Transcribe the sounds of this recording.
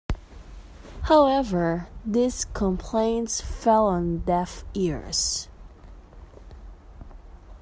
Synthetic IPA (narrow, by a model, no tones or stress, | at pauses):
haʊɛvə˞ðɪskʰə̃mpʰl̥ẽɪ̃ntsfɛlˠə̃ndɛfɪɹz̥